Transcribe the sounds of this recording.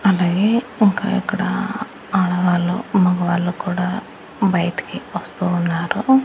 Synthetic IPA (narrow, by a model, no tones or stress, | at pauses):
ɐlaːɡeːiŋka̰ːḭkːɐɽɐ̰ | aɭɐʋaːlːumɐɡɐʋaːɭːuːkuːɽaː | bɐjɐʈɐ̥kiʋɐst̪uːnːaːɾu